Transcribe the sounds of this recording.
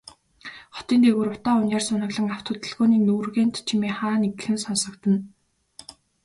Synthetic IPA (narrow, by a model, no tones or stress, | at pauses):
χɔ̥t̪iːnt̪ʰeɣuːrʊt̪aːʊnjaːrsʊnə̆ɣɮə̆ŋaw̥t̪ʰʊt̪ə̆ɮɣoːniːnurɣeːnt̪t͡ɕʰimeːχaːneɡ̆xɘ̆nsɔnsɞ̆kt̪ə̆n